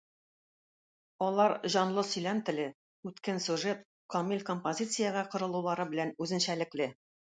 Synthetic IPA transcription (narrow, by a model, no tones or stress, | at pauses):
ɒlˠɑɾʑɒnlˠɤsɵ̆jlæmt̪ɘ̆lɘ | ʉt̪kænsʲʉʒet̪ | komʲilʲkompozʲit̪sɨjəʁɑqŏɾɤ̆lˠulˠɑɾɤbɘ̆lænʉzɘ̆nɕælɘ̆klɘ